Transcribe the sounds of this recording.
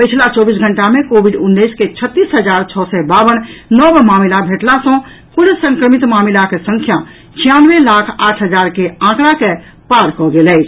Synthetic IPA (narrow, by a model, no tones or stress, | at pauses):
pət͡ʃʰlat͡ʃɔbis̬ɡʱəɳʈamekobʱiɖunːəjsket͡ʃʰət̪ːisɦəd͡ʒaɾt͡ʃʰɔsɛbabənnɔbmamilabʱeʈlasə̃ | kuɾsə̃ŋkɾəmit̪mamilakesə̃ŋkʰja | t͡ʃʰijanʋelakʰaʈʰɦəd͡ʒaɾkeãkɾake | paɾkɔɡelɛɪt͡ʃʰ